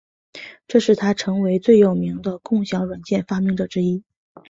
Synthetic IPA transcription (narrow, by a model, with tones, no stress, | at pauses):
ʈ͡ʂɤ˥˧ʂɻ̩˥˩t̪ʰa˥ʈ͡ʂʰɤ˧˥ŋwe˧˥ɪt͡swe˥˩ɪjo˨˩ʊmi˧˥ŋd̪ə˧kʊ˥˩ŋɕjɑ˧˥ʊɻwa˨˩nt͡ɕjɛ˥˩nfa˥mi˧˥ŋʈ͡ʂɤ˨˩ʈ͡ʂɻ̩˥i˥